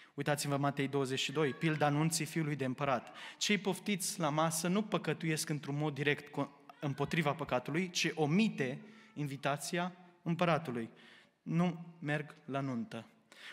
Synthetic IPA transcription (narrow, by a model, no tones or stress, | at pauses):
ujt̪at̪simvəmat̪e̞jd̪o̞wəze̞t͡ʃʃid̪o̞jpild̪anunt̪sifiulujd̪eɨmpəɾat̪t͡ʃe̞jpo̞ft̪it̪sʲlamasənupəkət̪uje̞skɨnt̪ɾunmo̞d̪̚ːiɾe̞kt̪k | ɨmpo̞t̪ɾivapəkat̪ulujt͡ʃiʔo̞mit̪e̞invit̪at̪sijaɨmpəɾat̪uluj | nume̞rɡlanunt̪ə